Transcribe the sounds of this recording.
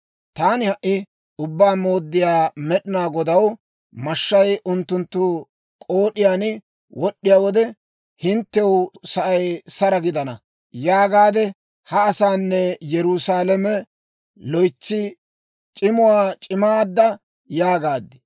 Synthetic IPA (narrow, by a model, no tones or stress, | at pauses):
t̪aːnɪhɐʔɪ | ʊbːaːmoːd̪ːɪjaːmɛɗɪnaːɡɔd̪ɐw | mɐʃːɐjʔʊnt̪ːʊnt̪ːʊ | kʼoːɗɪjaːnɪ | wʔɔɗːɪjaːwɔd̪ɛ | hɪnt̪ːɛwʊsɐʔɐjsɐɾɐɡɪd̪ɐnɐ | jaːɡaːd̪ɛ | hɐːsaːnːɛjɛɾusaːlɛmɛ | lɔjt͡ʃːɪ | t͡ʃʼɪmʊwaːt͡ʃʼɪmaːd̪ːɐ | jaːɡaːd̪ːɪ